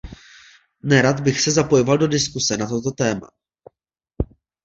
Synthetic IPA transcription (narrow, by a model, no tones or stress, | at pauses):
nɛɾad̪bɪxsɛzapo̞jovaldo̞dɪskusɛnat̪o̞t̪o̞t̪ɛːma̰